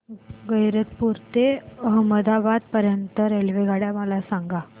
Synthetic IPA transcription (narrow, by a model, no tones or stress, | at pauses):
ɡəjɾət̪puɾt̪eəɦməd̪abad̪̚pəɾjənt̪əɾelʋeɡaɽjaməlasaŋɡa